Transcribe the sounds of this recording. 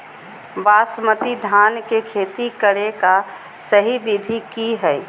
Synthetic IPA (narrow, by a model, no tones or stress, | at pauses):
baːsmət̪id̪ʱaːnkekʰeːt̪ikəɽeka | səɦibid̪ʱikiɦɛː